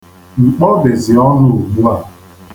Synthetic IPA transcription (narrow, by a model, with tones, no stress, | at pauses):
ŋ͡m̩˨k͡pɔ˦bɪ˨zɪ˨ɔ˦nʊ˨ɡ͡bu˦a˨